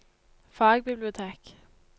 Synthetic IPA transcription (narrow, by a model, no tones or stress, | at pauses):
fɑːɡbɪblɪʊt̪ʰeːk